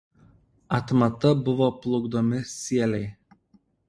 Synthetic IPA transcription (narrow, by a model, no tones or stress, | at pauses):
ɐt̪mɐt̪ɐbʊʋɔplˠʊɡd̪omʲɪsʲiɛlʲɛɪ